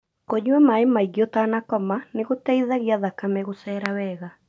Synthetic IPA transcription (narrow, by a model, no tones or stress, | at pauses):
koɲuwɛmaemaiɣjɔtaːnakɔmaneɣotɛiðaɣiaðakamɛɣosɛɾawɛɣa